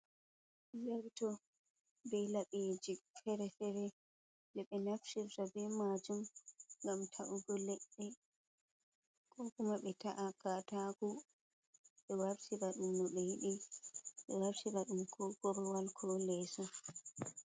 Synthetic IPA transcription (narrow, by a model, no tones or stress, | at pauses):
zaɾtɔ | bɛlaɓed͡ʒifɛɾɛfɛɾɛ | dɛɓɛnafʃiɾtabɛmad͡ʒumŋɡamtʰaʔuɡɔlɛɗːɛ | kɔkumaɓɛtaʔakataɡu | ɓɛwaɾsiɾaɗumːɔɓɛjiɗiɓɛwaɾtiɾaɗumkʰɔɡɔɾɔwalkʰɔlɛːsɔ